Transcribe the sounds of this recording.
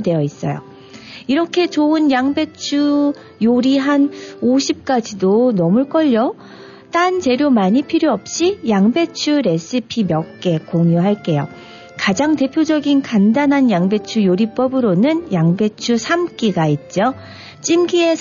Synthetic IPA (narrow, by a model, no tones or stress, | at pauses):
de̞jʌis͈ʌ̰jo̰ | iɾʌkʰe̞t͡ɕoɯnjaŋbe̞t͡ɕʰu | joɾiɦanoɕʰip̚k͈ad͡ʑidonʌmuɭk͈ʌʎːʌ | t͈ant͡ɕe̞ɾjomaɲipʰiɾjoʌp̚ɕ͈ijaŋbe̞t͡ɕʰuɾe̞s͈ɯpʰimjʌk̚k͈e̞koŋjuɦaɭk͈e̞jo | kad͡ʑaŋte̞pʰjod͡ʑʌɡinkandanɦanjaŋbe̞t͡ɕʰujoɾip͈ʌbɯɾonɯnjaŋbe̞t͡ɕʰusʰamk͈iɡait̚t͡ɕ͈o | t͡ɕ͈imɡie